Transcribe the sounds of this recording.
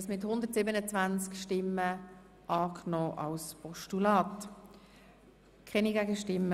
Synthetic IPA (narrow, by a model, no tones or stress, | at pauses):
smɪthʊnd̪əɾtsiːbənət͡svant͡skʃtɪmːə | ʔɑːkʰnɔːʔɑlspʰɔʃtulaːt | kʰɛniɡæɡəʃtɪmː